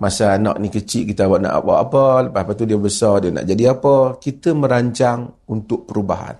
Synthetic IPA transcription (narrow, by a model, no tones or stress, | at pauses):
masanɔ̰ʔnikət͡ʃiʔ̚kit̪awaʔ̚na̰ʔa̰pə̰a̰pələpahapat̪udiəbəsɔrdiəna̰ʔd͡ʒadiapəkit̪əmə̃ɾaɲt͡ʃaŋunt̪ʊʔ̚pəɾubaɦa̰n